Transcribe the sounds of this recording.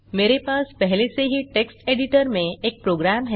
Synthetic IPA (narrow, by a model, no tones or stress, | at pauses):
meɾepaːspɛɦleseɦiːʈeksʈeɽiʈəɾmẽek̚pɾoɡɾamɦɛ